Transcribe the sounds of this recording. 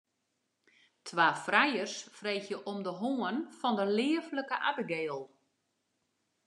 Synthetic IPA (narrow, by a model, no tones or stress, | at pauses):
tʰʋaːfrajərsfreːxjəʔomdəɦoənfɔndəlɪːəvləkəʔabəɡeːlˠ